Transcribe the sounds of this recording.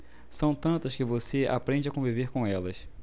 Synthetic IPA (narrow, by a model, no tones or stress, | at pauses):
sɐ̃w̃t̪ɐ̃nt̪ɐskɪvosea̰pɾẽd͡ʒɪakõviveɾkõɛlɐs